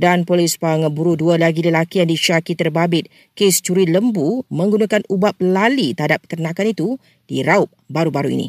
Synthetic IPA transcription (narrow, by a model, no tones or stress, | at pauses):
danpolispaŋabuɾudualaɡiləlakijaŋdiʃakit̪ərbabɪt̪̚ | kest͡ʃuɾiləmbumə̃ŋɡunãkanubap̚lalit̪əɦadap̚k̪ərnãkanit̪u | d̥iɾaʊp̚baɾubaɾuḭnḭ